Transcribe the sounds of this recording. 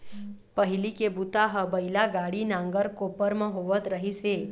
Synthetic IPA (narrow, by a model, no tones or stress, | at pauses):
pəɦilikebut̪aɦəbəilaɡaɽinãŋɡəɾkopəɾmə̃ɦoʋət̪ɾəɦise